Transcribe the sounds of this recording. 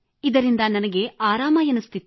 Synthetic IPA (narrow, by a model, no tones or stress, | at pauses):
id̪ɐɾind̪ɐnɐnɐɡe̞aːɾaːmɐjɐnust̪it̪ː